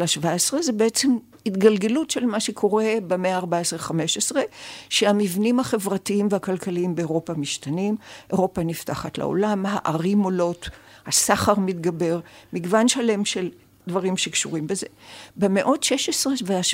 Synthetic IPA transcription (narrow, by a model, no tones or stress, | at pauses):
aʃvaesʁezebeet͡sem | hit̪ɡalɡe̞lutʃelmaʃekʰo̞ʁe̞bemeaːʁbaesʁeχameʃesʁe̞ʃeamivnimhaχe̞vʁatiimvehakalkaliimbeoʁo̞pamiʃtanimʔeʁo̞panifta̰χatla̰o̰lamha̰ʔaʁimolo̞thasaχaʁmitɡabe̞ʁmiɡvanʃale̞mʃe̞l | dvaʁimʃekʃuʁimbezebemeʔo̞tʃeʃesʁeveaʃ